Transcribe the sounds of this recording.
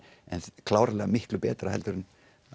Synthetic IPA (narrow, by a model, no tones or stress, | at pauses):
ɛnkʰlaːwɾalɛːɣamɪhklʏpɛːt̪ɾahɛ̰lt̪ʏɾɪnː